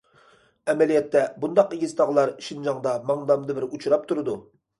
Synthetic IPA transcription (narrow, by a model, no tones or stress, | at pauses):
ɛmɛlijɛt̪ːɛbund̪ɑqeɡʲizt̪ʰɑʁlˠɑɾʃind͡ʒɑŋd̪ɑmɑŋd̪ɑmd̪ɨbɪɾut͡ʃʰuɾɑp̚t̪ʰuɾɨd̪u